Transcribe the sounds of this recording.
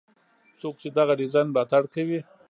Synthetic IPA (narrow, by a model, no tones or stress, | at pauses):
t͡sok̚t͡ʃed̪aɣaɖizanbɑt̪aɽkawi